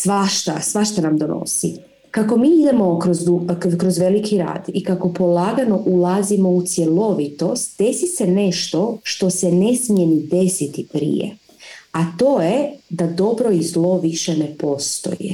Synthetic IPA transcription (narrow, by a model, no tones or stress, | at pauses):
sʋaʃt̪a̰sʋaʃt̪anamd̪ono̰sḭ | kako̞miːid̪emo̞kɾozukɾozʋe̞likʰiɾa̰ːd̪ikako̞po̞laːɡano̞ʔulˠazimo̞ut̪sje̞lo̞ʋit̪o̞st̪̚d̪e̞sise̞ne̞ʃt̪o̞ʃt̪o̞sene̞smijenid̪e̞sit̪ipɾḭjḛ | at̪o̞ːjed̪ad̪o̞bɾo̞izlˠo̞ʋiʃene̞po̞st̪o̞̰jḛ